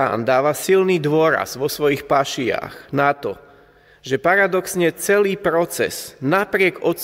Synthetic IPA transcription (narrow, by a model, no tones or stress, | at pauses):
a̰ːnd̪aːʋasilniːd̪ʊɔɾa̰z̥ʋɔsʋɔjixpaʃia̰ːxnat̪ɔ̰ | ʒɛpaɾad̪ɔksɲɛt͡sɛliːpɾɔt͡sɛ̰z̥napɾɪɛɡɔt̪